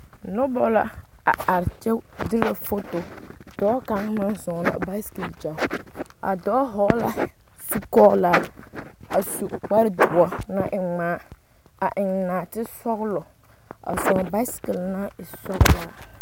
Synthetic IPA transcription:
nʊ˦bɔ˦la̰˨ | a̰˨a˨ɾt͡ʃɛ˦dɪ˦la˨fʊ˦tʊ˨d̥ɔː˨˦ka˨ŋma˦nzɔ˨la̰˨ba˦skɪ˨ld͡ʒa˨a̰˨dɔː˨˦ɦɔː˦la̰˦ | su˦kɔ˦la˦ | a˨su˨k͡pa˦ɾɪ˦dʊ˨ɔ˦na˦ʔɪ˨ŋ͡maː˦ | a˨ʔɪ˨ŋ˨naː˨tɪ˦sɔ˦ɣlɔ˨ | a̰˨zɔ˨ŋ˨ba˦skɪ˨lna˦ɪ˨sɔ˦ɣla˦

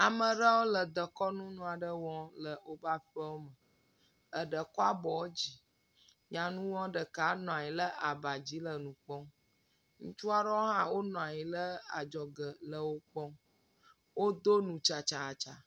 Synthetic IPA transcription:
a˨mə˨ɖə˦wo˦lə˨d̪ə˨kɔ˦nũ˦nũ˦a˨ɖə˦wɔ̃˦lə˨o˦ba˦ɸɛ˦wo˦mə˨ | ə˨ɖə˨kɔ˦a˦bɔ˨wo˦d͡ʑi˨ | ɲã˨nũ˦wɔ̃˦ɖə˨ka˨˦nɔ̃˨a˨ɲi˨lə˦ʔa˨ba˨d͡ʑi˨˦lə˨nũ˨k͡pɔ˦ | ŋũ˦t͡ʃu˦a˦ɖɔ˦wo˦ɦã˦wo˦nɔ̃˨a˨ɲi˨lə˦a˨d͡ʒɔ˨ɡə˨lə˨wo˦k͡pɔ̃˦ | wo˦d̪o˦nũ˨t͡ʃa˨t͡ʃa˨t͡ʃa˨

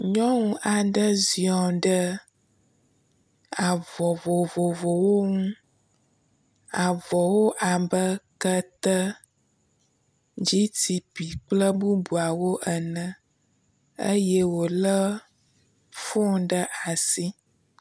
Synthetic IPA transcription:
ɲɔ̃˦ŋũ˦ʔa˨ɖə˦zi˨ɔ̃˨ɖə˦ | a˨vɔ˨vɔ˨vo˨vo˨wo˦ŋũ˦ | a˨vɔ˨wo˦ʔa˨bə˦kə˦t̪ə˦ | d͡ʒi˦t̪i˨pi˨k͡plə˦bu˦bu˨a˨wo˦ʔə˨nə̃˨ | ə̰˦jɛ˦wo˨lə˦ | fɔ˦ɖə˦ʔa˨si˦

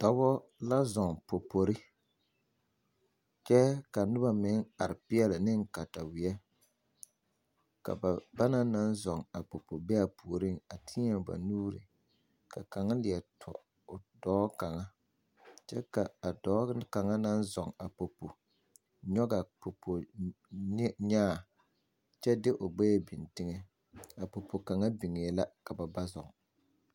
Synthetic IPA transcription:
tɔ˦bɔ˦la˦zɔ˨ŋpo˨po˨ɾɪ˦ | t͡ʃɛ˦ka˨nʊ˦ba˦mɪ˨˦ŋa˨ɾɪ˨pɪ˦ɛ˦lɪ˨nɪ˦ŋ˦ka˨ta˨wɪ˨ɛ˦ | ka̰˨ba˨ba˦na˦na˦n˦zɔ˨ŋa˨po˨po˨bɛ˦a˨pu˨o˨ɾɪ˦˨ŋa˨tʰɪ˦ɛ˨ba̰˨nuː˦ɾḭ˨ | ka̰˨ka˨ŋa˦lɪ˨ɛ˨tʰɔ̰˨ | ʊ˨dɔː˦ka˨ŋa˦ | t͡ʃɛ˦ka˨a˨dɔː˨˦ka˨ŋa˦na˦n˦zɔ˨ŋa˨po˨po˨ | ɲɔ˦ɡa˨po˨pʰo˨˦ | ɲaː˦˨ | t͡ʃɛ˦dɪ˦ʔʊ˨ɡ͡bɛ˦bi˨ntɪ˦ŋe˦ | a˨po˨pʰo˨ka˨ŋa˦bi˨ŋeː˨˦la˦ka˨ba˨ba˦zɔ̰˨ŋ

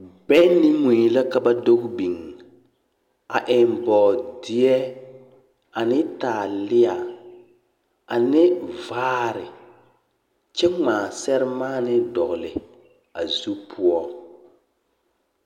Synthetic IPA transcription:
bɛ˦ni˦mu˨i˨la˦ka˦ba˦do˦ɣbi˨ŋ | a˨ʔɪ˨mbɔː˨dɪ˦ɛ˦ | a˨nɪ˦taː˨lɪ˦a˨ | a˨nɪ˦vaː˦ɾɪ˨ | t͡ʃɛ˦ŋ͡maː˨sɛ˦ɾɪ˦maː˦nɪ˦dɔ˨ɣlɪ˨ | a˨zu˦pʰʊ˦ɔ˦

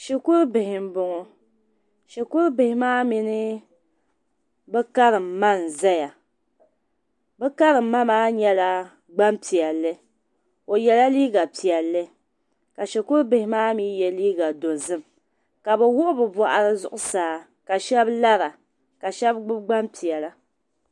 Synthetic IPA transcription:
ʃe˨kʊ˦ɾbɪ˨hɪ˨m̩˦bʊ˨ŋɔ˨ | ʃe˨kʊ˦ɾʊ˦bɪ˨hɪ˦maː˦mi˨nɨ˦ | bɛ˦ka˦ɾɨ˨mma˦˨n˨za˦ja˨ | bɛ˦ka˦ɾɨ˨m̩ː˦a˦maː˦ɲɛ˦la˦ | ɡ͡ba˦mpi˨ɛ˨lːɨ˦ | o˨jɛ˨˦la˦liː˦ɡa˨pi˨ɛ˨lːɨ˦ | ka˨ʃɛ˨kʊ˦ɾbɪ˨hɪ˦maː˦mi˦jɛ˨liː˦ɡa˨do˨zɨ˦m | ka˨bɛ˨wʊ˦ʔʊ˦bɨ˨ba˨ʔa˨ɾɨ˦zʊ̰˦ʔʊ˦saː˨˦ | ka˨ʃɛ˦bla˦ɾa˨ | ka˨ʃɛ˦bɡ͡bɨ˦ɡ͡ba˦mpi˨ɛ˨la˦

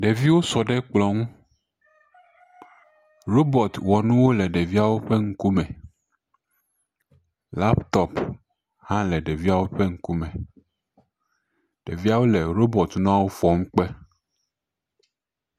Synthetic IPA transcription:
ɖe˨vi˦wo˦sɔ˨ɖɛ˦k͡plɔ˨ŋũ˦ | ɾo˦bɔ˨t̪wɔ˨nũ˦wo˦lɛ˨ɖɛ˨vi˦a˦wo˦ɸɛ˦ŋ̩˦ku˦mɛ̃˨ | la˦pt̪ɔ˦p | hã˦lɛ˨ɖɛ˨vi˦a˦wo˦ɸɛ˦ŋ̩˦ku˦mɛ̃˨ | ɖ̥e˨vi˦a˦wo˦lɛ˨ɾo˦bɔ˨t̪ñ˦ã˦wo˦fɔ˨ŋũ˦k͡pɛ˦

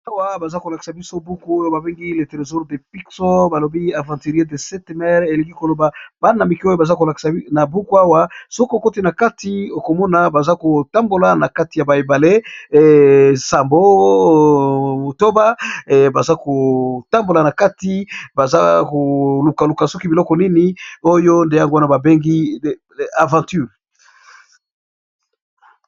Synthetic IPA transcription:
a˦wa˦ba˨za˦ko˨la˨ki̥˨sa˨bi˦so˦bu˦ku˦o˦jo˦ba˨be˦ŋɡi˦le˨te˨ʁe˨zu˦ʁde˨pi˦kso˦ba˨lo˨bi˦a˨vã˨ti˨ʁe˦de˨sɛ˦tmɛ˦ʁe˨le˨ki˦ko˨lo˨ba˨ba˦na˨mi˨ki˦o˦jo˦ba˨za˦ko˨la˨ki̥˨sa˨na˨bu˦ku˦a˦wa˦so˦ko˦˨ko˦ti˦na˨ka˦ti˨o˨ko˨mɔ˦na˨ba˨za˦ko˨ta˦mbo˨la˨na˨ka˦ti˨ja˨ba˨i˨ba˨le˦˨ | sa˨mbo˦ | o˨to˦ba˦ba˨za˦ko˨ta˦mbo˨la˨na˨ka˦ti˦ba˨za˦ko˨lu˨ka˨lu˨ka˨so˦ki˦bi˨lɔ˦kɔ˨ni˦ni˦o˦jo˦nde˨ja˦ŋɡo˦a˦na˦˨ba˨be˦ŋɡi˦ | a˨vã˨ty˦˨ʁ

